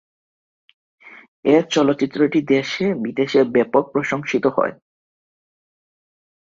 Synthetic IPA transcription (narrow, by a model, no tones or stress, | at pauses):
eɾt͡ɕɔlot̪ːɕit̪ːɾoʈid̪eʃebid̪eʃebɛpok̚pɾoʃoŋʃit̪ohɔ̰e